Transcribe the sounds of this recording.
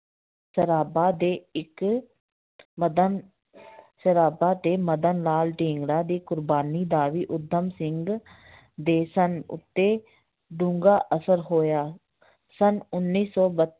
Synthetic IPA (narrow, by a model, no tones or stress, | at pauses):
səɾaːbaːd̪eːɪk | d̪ | səɾaːbaːt̪eːməd̪ənlaːlɖĩːŋɡɽaːd̪iːkʊɾbaːniːd̪aːʋiːʔʊd̪ʱːəmsɪŋɡ | d̪eːsənʊ̰t̪ːeː | ɖũːŋɡaːʔəsəɾɦoːjaː | sənʊnːiːsɔːbət̪